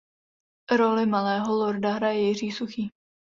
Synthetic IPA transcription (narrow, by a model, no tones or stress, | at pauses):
ɾolɪmalɛːɦoloɾdaɦɾajɛjɪr̝iːsuxiː